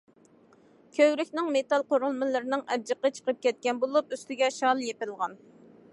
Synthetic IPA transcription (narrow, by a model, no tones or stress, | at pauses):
kʲʰøwɾɪkʲnɪŋmet̪ɑlˠqoɾulˠmɨlˠɨɾɪnɨŋɛb̚d͡ʒəqət͡ʃʰə̥qʰəp̚kʲɛt̪̚kʲɛnbolˠup̚yst̪ɪɡʲɛʃɑlˠjepɪlˠʁɑn